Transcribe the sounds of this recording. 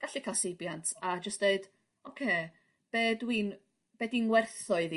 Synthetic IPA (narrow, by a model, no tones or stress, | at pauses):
ɡ̥aɬikʰasɪbjantʰad͡ʒəstd̥eɨd̥ | ɔkʰeː | b̥eːdwin | b̥edinwɛrθɔɨði